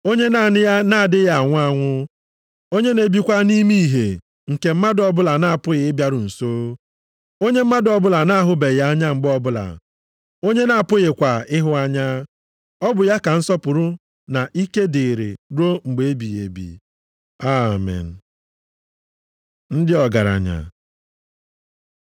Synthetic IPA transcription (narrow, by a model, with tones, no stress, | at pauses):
o˦ɲe˦na˨nɪ˦ja˦na˨a˨dɪ˦ja˦a˨ŋʷʊ˦a˦ŋʷʊ˦ | o˦ɲe˦ne˨bi˦kʷa˦ni˦mi˦˨ɦḛ˨ | ŋ̩˨ke˨m̩˦ma˦dɔ˨bʊ˦la˨na˨a˨pʊ˦ɣɪ˨ɪ˦bja˦ɾʊ˨n̩˨soː˦ | o˦ɲe˦m̩˦ma˦dɔ˨bʊ˦la˨na˦ɦʊ˦be˨ja˦a˦ɲa˦ŋ͡m̩˨ɡ͡bɔ˦bʊ˦la̰˨ | o˦ɲe˦na˨a˨pʊ˦ɣe˨kʷa˨ɪ˦ɦʊ˦a˦ɲa˦ | ɔ˦bʊ˨ja˦ka˨n̩˦sɔ˦pʊ˨ɾʊ˦ | na˨ʔi˦ke˦dɪ˨ɾḛ˨ɾo˦ŋ͡m̩˨ɡ͡be˨e˦bi˨jḛ˨bḭ˨ | a˦mɛ̰˨n̩˨ | n̩˦dɪ˦ɔ˨ɡa˨ɾa̰˨ɲa̰˨